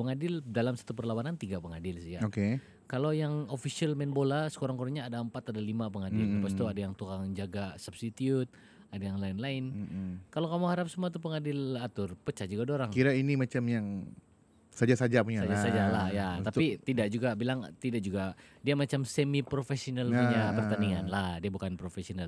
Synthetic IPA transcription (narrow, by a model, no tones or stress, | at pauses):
pəŋadɪldalamsḁt̪upərlawanant̪iɡapəŋadɪlsijaoke | kalojaŋofisialmɛnbolasə̥koɾaŋkoɾɲaːdaəmpat̪adalimapəŋadɪlpast̪uadajaŋt̪ukaŋd͡ʒaɡasabst̪it̪iut̪̚ | adajaŋlaɪnlaɪn̩kalokamuhaɾap̚səmuat̪̬upəŋadɪlat̪ʊrpət͡ʃad͡ʒuɡadoɾaŋkiɾainimat͡ʃamjaŋ | sad͡ʒasad͡ʒapuɲasad͡ʒasad͡ʒalahjat̪apit̪idaʔ̚d͡ʒuɡabilaŋt̪idaʔd͡ʒuɡadiamat͡ʃamsemipɾofesionaluɲapərt̪aniŋanlahdiabukanpɾofesional